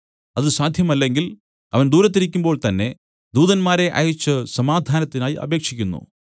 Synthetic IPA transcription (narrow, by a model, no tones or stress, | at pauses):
ɐðɨsaːd̪ʱjɐmɐlːe̞ŋɡil | ɐʋɐnd̪uːɾɐt̪̬ːiɾikʲːumbo̞ːɭt̪ɐnːe̞ | d̪uːðɐnmaːɾe̞ʔɐ̰jut͡ɕːɨsɐmaːd̪ʱaːnɐt̪ːinaːjiʔɐ̰be̞ːkʂikʲːunːṵ